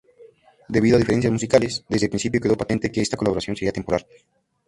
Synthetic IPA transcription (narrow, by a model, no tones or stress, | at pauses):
d̪e̞βiðoaðifee̞nsjazmus̬ikalesd̪ezðepɾinsipjo̞ke̞ðo̞pat̪ent̪ekeest̪ako̞laβo̞ɾasjo̞nse̞ɾiat̪empo̞ɾal